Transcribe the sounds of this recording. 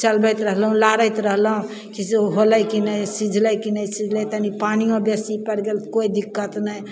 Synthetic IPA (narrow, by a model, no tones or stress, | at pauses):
t͡ʃəlbəjt̪ɾəɦlɦũlaɾəjt̪ɾəɦlɦũ | kiseɦoləkinəjsid͡ʒʱləjkinəjsĩd͡ʒʱlɛt̪ənipaniobesipəɾɡelt̪koid̪ikːət̪nəj